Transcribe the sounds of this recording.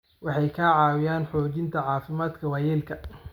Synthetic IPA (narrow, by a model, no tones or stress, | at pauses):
wɑħɑjkʰaʕɑːwɪjaːnħɔːt͡ʃɪnt̪ʰɐʕɑːfɪmaːd̪kʰɐwaːjɛːlkʰɐ